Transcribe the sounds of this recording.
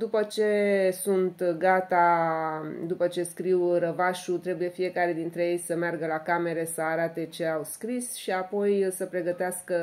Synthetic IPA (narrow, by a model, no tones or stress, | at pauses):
d̪upət͡ʃe̞sunt̪ɡat̪a | d̪upət͡ʃe̞skɾiwɾəvaʃut̪ɾe̞buje̞fije̞kaɾe̞d̪int̪ɾe̞je̞jsəmearɡəlakame̞ɾe̞səaɾat̪e̞t͡ʃe̞awskɾisʃiapo̞jsəpɾe̞ɡət̪easkə